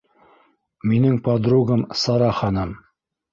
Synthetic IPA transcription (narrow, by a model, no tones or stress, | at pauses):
minɘŋpɑd̪ɾuɡɤmsɑɾɑχɑnɤm